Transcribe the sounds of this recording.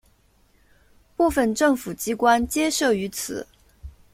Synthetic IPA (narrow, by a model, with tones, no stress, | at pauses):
pu˥˩fə˥˧nʈ͡ʂɤ˥˩ŋfu˨˩t͡ɕi˥kwa˥nt͡ɕjɛ˥ʂɤ˥˩y˧˥t͡sʰɹ̩˨˩˦